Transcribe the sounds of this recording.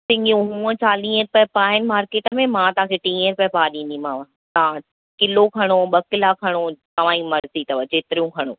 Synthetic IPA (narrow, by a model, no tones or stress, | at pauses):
sɪ̃ŋɡijũɦũːə̃t͡ɕaːlĩːəɾpɛpaːɦɪn̆maːɾkeːʈəmẽmãt̪ɐɦãːkʰeʈĩːəɾpɛpaːɗĩːnd̪ĩmãːʋã | ã | kɪlokʰɐɽ̃oɓɐkɪlakʰɐɽ̃ot̪ɐʋ̤ãːimɐɾzit̪ɐʋət͡ɕeːt̪ɪɾijũkʰɐɽ̃oː